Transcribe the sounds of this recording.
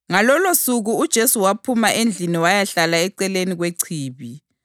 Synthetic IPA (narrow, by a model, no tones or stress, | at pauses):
ŋalɔlosuɣuːd̥ʒ̥ʱesuwapʰumaʔend͡ɮʱiniwajaɬalaɛǀɛleniɣweǀʰiːβi